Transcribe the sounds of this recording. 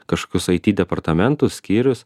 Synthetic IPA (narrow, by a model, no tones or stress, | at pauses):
kɐʃko̥ːkʲʊsɐɪt̪ʲiːd̪ʲɛpɐɾt̪ɐmʲɛnt̪ʊsʲsʲkʲiːɾʲʊs